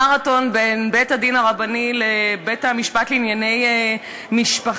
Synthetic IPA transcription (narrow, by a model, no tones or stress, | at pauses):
aʁato̞nbenbethadinaʁabanilebethamiʃpatleinjane̞j | miʃpaχ